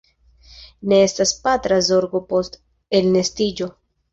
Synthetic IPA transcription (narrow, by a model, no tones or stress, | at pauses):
ne̞estaspatɾazo̞ɾɡo̞po̞st | e̞lne̞stid͡ʒo̞